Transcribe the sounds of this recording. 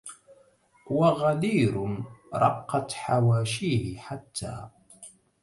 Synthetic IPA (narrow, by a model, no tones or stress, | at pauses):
waɣaliːɾʊnɾˤɑ̰qːɑt̪ħawaːʃiːhɪħat̪ʰːa̰ː